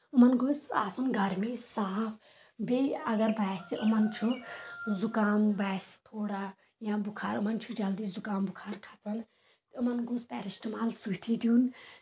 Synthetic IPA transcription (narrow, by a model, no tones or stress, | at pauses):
umɐnɡusa̰ːsunɡʱɐɾmisaːpʰ | beɐɡɐɾbaːsʔumɐnt͡ʃʰuzukaːmbaːst̪ʰoːɽa | jãbukʰaːɾumɐnt͡ʃʰud͡ʒɐld̪izukaːmbukʰaːɾkʰat͡sɐn | umɐnɡuspɛ̰ːɾisʈimaːlsukt̪ʰid̪juːn